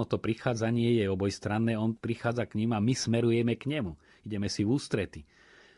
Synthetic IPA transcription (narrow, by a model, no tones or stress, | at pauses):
ɔt̪ɔpɾixaːd͡zaɲɪɛjɛɔbɔjst̪ɾanːɛːɔnpɾixaːd͡zakɲimamismɛɾujɛmɛkɲɛmu | iɟɛmɛsivuːst̪ɾɛt̪i